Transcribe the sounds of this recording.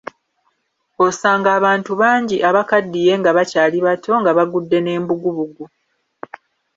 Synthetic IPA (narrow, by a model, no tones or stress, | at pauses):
o̞saːŋɡaːβaːntuβaːɲɟiʔaβakadːije̞ŋɡaβacaːliβatʰo̞ŋɡaβaɡudːe̞ne̞ːmbuɡuβuɡu